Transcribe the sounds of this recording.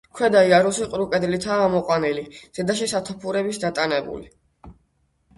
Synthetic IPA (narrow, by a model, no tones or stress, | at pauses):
kʰwɛd̪aiaɾusiqʼɾukʼɛd̪lit̪ʰaːmɔqʼwaniliz̥ɛd̪aʃ̬isat̪ʰɔpʰuɾɛbisd̪at̪ʼanɛbṵli